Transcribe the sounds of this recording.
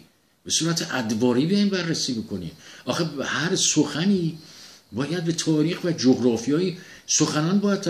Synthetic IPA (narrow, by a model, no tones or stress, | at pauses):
b̥e̞suːɾæt̪ʰeʔæd̪vɒːɾiːbejɒjnbærːesiːbo̞kʰonḭːmʔɒːxehæɾsoxæniːbɒːjæd̪̚be̞t̪ʰɒːɾiːxvæd͡ʒoɣɾɒːfijɒːiː | so̞xænɒːnbɒːjæd̪̚t̪ʰ